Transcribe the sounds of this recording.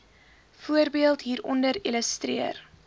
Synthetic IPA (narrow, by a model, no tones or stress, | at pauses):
fuəɾbiəlˠtɦiːɾɔndəɾiləstriər